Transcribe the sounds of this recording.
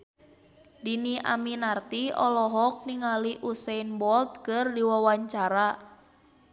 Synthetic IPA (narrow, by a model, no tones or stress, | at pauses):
diniʔa̰minart̪iɔ̰lɔɦɔk̚niŋaliʔusɛnbɔlt̪̚kərdiwawaɲt͡ʃaɾa